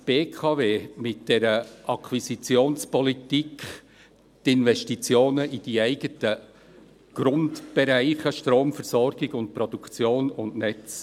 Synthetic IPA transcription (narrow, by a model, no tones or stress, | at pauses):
b̥eːkʰɑːveːmɪt̚d̥ɛɾəʔɑkʰwisit͡sjoːnspɔlitik | tɪnvɛʃtit͡sjoːnəʔid̥iæɪɡ̥ətə | ɡ̥ɾʊndb̥ɛɾæɪχəʃtɾoːmfəɾsɔɾɡ̥ɪɡʊnt̚pɾɔd̥ukʰt͡sjoːnʊndnɛt͡s